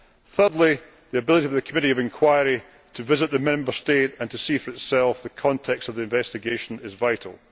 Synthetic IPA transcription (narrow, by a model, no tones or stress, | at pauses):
θɜ˞dˡlˠi | ðiəbɪlˠɪɾiəvðəkʰəmɪʔiəvɪ̃nkʰw̥aɪəɹi | tʰəvɪzɪʔ̚ðəmɛ̃mbə˞steʔə̃ntʰəsifə˞ɪtsɛlˠfðəkʰɔ̃ntʰɛkstəvðiɪ̃ɱvɛstɪɡeʃə̃nɪzvaɪʔəl̩ˠ